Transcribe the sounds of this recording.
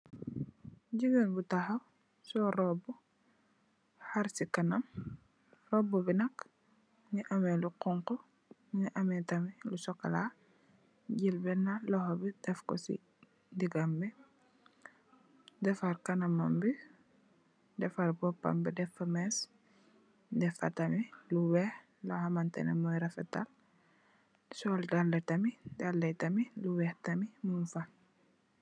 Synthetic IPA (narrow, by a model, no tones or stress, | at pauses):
ɟiɡənbutahɐw | sɔɾɔbɔ | haɾsikɐnɐm | rɔbɔbinɐk | ɲiʔɐmɛluqɔŋkɔ | ɲiʔɐmɛtɐmilusɔkɐ̰la | ɟilbɛnalɔhɔbid̥ɛfkɔ̰sḭ | diɡambi | dɛfaɾkɐnɐmambi | dɛfaɾbɔpːɐ̰mbidɛfɐmɛs | dɛfɐ̰tɐmiluwɛh | lɔhamantɛ̰nɛmɔjɾɐfɛta̰l | sɔldalːɐtɐmidalːɐjtɐmiluwɛhtɐmimunfa